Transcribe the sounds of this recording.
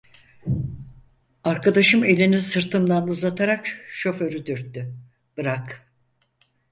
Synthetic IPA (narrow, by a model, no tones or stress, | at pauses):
aɾkad̪aʃɯme̞lʲinisɯɾt̪ʰɯmd̪anuzat̪ʰaɾakʃo̞fø̞ɾyd̪yɾt̪ːy | b̥ɯɾak